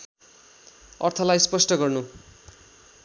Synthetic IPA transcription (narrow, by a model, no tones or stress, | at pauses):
ʌrt̪ʰʌlajspʌsʈʌɡʌrnu